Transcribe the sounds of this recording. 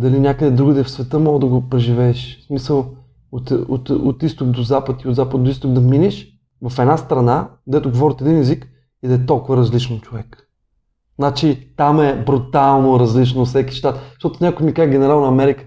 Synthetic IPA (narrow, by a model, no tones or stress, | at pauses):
d̪ɐlinʲakəd̪ɛd̪ɾuɡəd̪ɛfsvɛt̪əmɔɡəd̪ɐɡopɾɛʒivɛːʃsmisəlˠ | ot̪ot̪ot̪ist̪okd̪ozapət̪iʊd̪zapəd̪̚d̪oist̪okd̪ɐminɛʃ | vɐfɛd̪nast̪ɾɐnad̪ɛt̪ʊɡovɔɾit̪ɛd̪inɛzik | id̪ɐɛt̪olˠkʊvəɾɐzlit͡ʃnot͡ʃovɛk | znat͡ʃit̪amɛbɾut̪alˠnoɾɐzlit͡ʃnofsɛki̥ʃt̪at̪ʃt̪ɔt̪ʊnʲakʊjmikaʒɡʲɛnɛɾalˠnɐmɛɾikə̥